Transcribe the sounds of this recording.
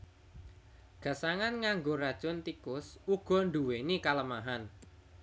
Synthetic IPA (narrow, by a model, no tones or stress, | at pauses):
ɡ̥ä̤saŋanŋaŋɡoɾad̥ʒ̥ɔnt̪ikʊsuɡ̥ɔ̤nd̪uwenikaləmaɦan